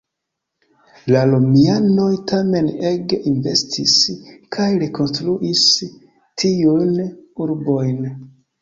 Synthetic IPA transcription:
lalomiano̞jtame̞neɡeʔinve̞stʰiskʰajɾeko̞nstɾuʔis | tʰiujnuɾbo̞jn

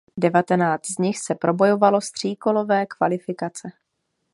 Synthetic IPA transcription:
dɛvat̪ɛnaːt͡st̪zɲɪxsɛpɾʔo̞bo̞jo̞valo̞st̪r̥iːko̞lo̞vɛːkvalɪfɪkat͡sɛ

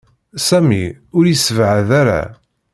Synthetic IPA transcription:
sæmiʊɾjəsəvʕəðaɾæ̰

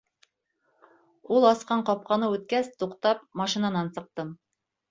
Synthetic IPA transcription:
ulˠɑsqɑɴqɒp̚qɑnɤʉt̪̚kæst̪uqt̪ɑp̚mɑʃinɑnɑnsɤ̆q̚t̪ɤm

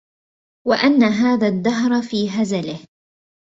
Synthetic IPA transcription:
waʔanːaɦaːðaðːaɦɾˤfiːɦazalɪh

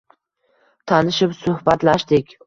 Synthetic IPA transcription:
t̪ʰanɪʃɪpsʊhbat̪laʃd̪ɪkʲ

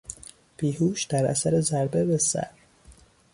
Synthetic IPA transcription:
b̥iːhuːʃd̪̥æɾæ̰sæɾe̞zæɾbebesæ̰ɾ

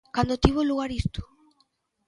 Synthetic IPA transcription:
kand̪ot̪iβoluɣaɾist̪u̥

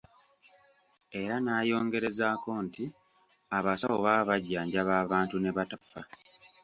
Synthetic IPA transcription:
e̞ɾanaːjo̞ːŋɡe̞ɾe̞zaːko̞nti | aβasaβo̞βaːβaɟːaːɲɟaβaːβaːntune̞βatafa

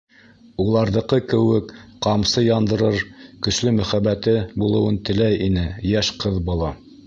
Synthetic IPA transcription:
ulˠɑɾðɤ̆qɤkɘ̆wɘkqɑmsɤjɑnd̪ɤ̆ɾɤɾkɵ̆ʃlɵmɵ̆χæbːæt̪ɘbulˠɤ̆wɤnt̪ɘ̆læjinɘjæʃqɤðbŭlˠɑ

